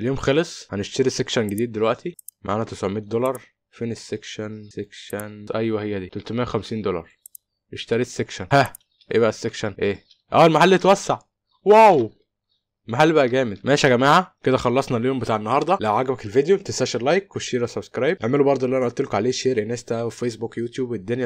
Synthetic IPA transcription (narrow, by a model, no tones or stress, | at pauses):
eljoːmxɑlesˤħæneʃt̪eɾisekʃænɡed̪iːd̪̚ːelwæʔt̪ʰimʔaʕaːnæt̪esʕomeːt̪̚d̪olɑɾˤ | feːnesːekʃænsekʃænʔæjwæhejːæd̪iːt̪olt̪mæːæxæmsiːnd̪olɑ̰ɾˤ | jeʃt̪æɾiːsːekʃænhæ | ʔḛːbæʔæsːekʃænʔeː | ʔæːelmaħalːiet̪wæsːaʕ | wæːw | lmaħalːbæʔæɡæːmed̪mæːʃæɡæmæːhæked̪æxɑlːɑsˤnɑliːhombet̪aʕenːɑhɑɾˤd̪ˤɑlæʕaɡæbækelvid̪ejot̪esæʃelɑjkweʃiːɾæsæbskɾɑjbʔeʕmelubɑɾˤd̪ˤolːiʔænæʔolt̪ːelkoʕaleːʃeːɾʔenæːst̪æʔwefeːsbukjuːt̪juːbed̪ːonjæ